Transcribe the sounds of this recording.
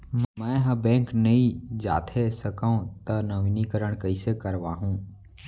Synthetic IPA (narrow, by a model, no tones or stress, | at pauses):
mɛ̃ːɦɐ̃bɛ̃ːknɐĩd͡ʒa̰ːt̪ʰesəkaõt̪ɐnɐʋinikəɾəɽ̃kɐisekəɾʋaːɦũː